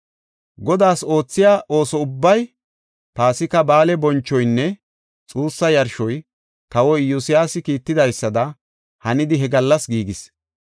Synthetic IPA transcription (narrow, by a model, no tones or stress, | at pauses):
ɡɔd̪aːso̞ːt͡sːɪjaːʔo̞ːsɔʊbːɐj | paːsɪkɐbaːlɛbɔnt͡ʃːɔjnːɛ | t͡sʼuːsːɐjɐɾʃɔj | t̪ɐwɔjjʊsɪjaːsɪkiːt̪ːɪd̪ɐjsːɐd̪ɐ | hɐnɪd̪ɪɦɛɡɐlːɐsɡiːɡɪs